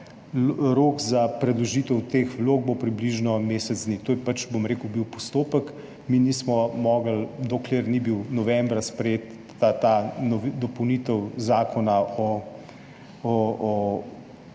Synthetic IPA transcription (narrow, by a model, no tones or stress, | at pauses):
ɾoːkzapɾɛd̪lɔʒiːt̪əwt̪eːxʋloːɡ̚bopɾibliʒnɔmeːsɛd̪zd̪nit̪oːjɛpat͡ʃbomɾeːkəwbiwpɔst̪oːpək | minismɔmɔːɡəld̪ɔkleɾnibiwnɔʋɛmbɾaspɾɛjeːt̪ː | at̪anɔd̪ɔpɔwniːt̪əwzaːkʰɔnaʔɔ | ɔɔ